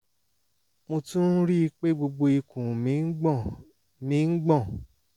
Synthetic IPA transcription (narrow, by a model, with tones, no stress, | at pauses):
mo˧tũ˦n̩˦ɾi˦˧k͡pe˦ɡ͡bo˧ɡ͡bo˧i˧kũ˨mĩ˨˦ɡ͡bɔ˦˨ | mĩ˨˦ŋ̩˦ɡ͡bɔ̃˦˨